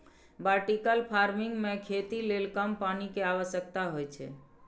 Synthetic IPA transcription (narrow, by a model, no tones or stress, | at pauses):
baɾʈikəlpʰaɾmiŋɡmekʰet̪ilelkəmpanikeaʋəʃək̚t̪aɦojt͡ʃʰɛ̰